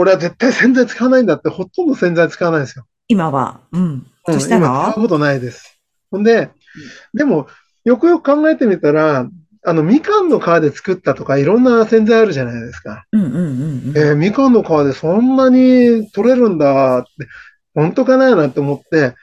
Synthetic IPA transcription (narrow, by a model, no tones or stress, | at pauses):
ko̞ɾe̞aze̞t̪ːaisẽnd͡zait͡sɨ̥kaβnaĩnd̪at̪ːe̞ho̞t̪ːõnd̪o̞sẽnd͡zait͡sɨ̥kaβanaid̪esjo̞ | imaβã̰ | ɯ̃imat͡skaɯko̞t̪o̞naid̪e̞sɨ̥ | hõnd̪e̞ | d̪e̞mo̞ | jo̞kɯ̟jo̞kɯ̟̥kãŋɡae̞t̪e̞mʲit̪aɾaː | no̞mʲikãnːo̞kaβad̪e̞t͡sɨ̥kɯ̟t̪ːat̪o̞kaiɾõ̞nːasẽ̞nzajaɾɯ̟ʑanaid̪e̞sɨ̥kã | nemʲikãnːo̞kaβad̪e̞sõ̞nːaɲ̟it̪o̞ɾe̞ɾɯ̟̃nd̪at̪ːe̞ | hõ̞nt̪o̞kanajnat̪ːe̞omo̞t̪ːe̞